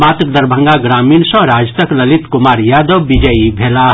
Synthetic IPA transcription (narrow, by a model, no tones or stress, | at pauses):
mat̪əkd̪əɾbʱə̃ŋɡaɡɾaminsʌ̃ɾad͡ʒt̪əkləlit̪kumaɾjad̪əʋːid͡ʒəibʱela